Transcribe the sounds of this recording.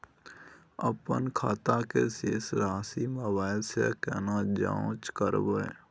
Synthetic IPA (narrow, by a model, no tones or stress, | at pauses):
əpənkʰaːt̪akeseːsɾaːsiməbaːɪlsekɛːnad͡ʒã̰õt͡ʃkəɾbəe